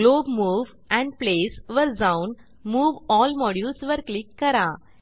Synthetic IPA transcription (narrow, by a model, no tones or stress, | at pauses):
ɡloːbmuːʋ | ɛ̃ɳɖplesʋəɾd͡zaun | muːʋɔlmɔɽjulsʋəɾklikːəɾa